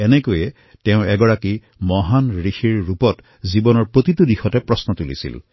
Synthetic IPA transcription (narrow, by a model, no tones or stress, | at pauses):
ɛnɛkojɛ | teʊ̃ɛɡɔɹaki | mɔɦanɹixiɹːupɔt | zibɔnɔɹpot̪itudixɔtɛpɹɔsnɔt̪ulḭsḭl